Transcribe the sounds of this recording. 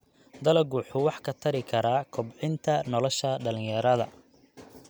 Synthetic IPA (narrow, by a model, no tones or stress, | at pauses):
d̪ɐlɐɡuːħʊwɑħkʰɐt̪ʰɐɾɪkʰɐɾaːkʰɔbʕɪnt̪ʰɐnɔlɔʃɐɖɐlɪ̃ŋjɐɾɐðɐ̰